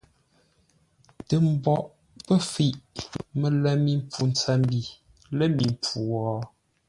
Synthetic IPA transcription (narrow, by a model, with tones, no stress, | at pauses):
tə˨m̩˨bɔ˨ʔ | pə˦fi˦˨ʔmə˨lɛ˨mi˨m˦pʰu˨n˨t͡sa˦m˦bi˨ | lə˦mi˨m˨pʰu˨wɔ˨˦